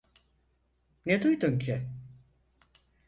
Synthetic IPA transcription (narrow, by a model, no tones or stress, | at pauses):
ned̪ujd̪uncʰɪ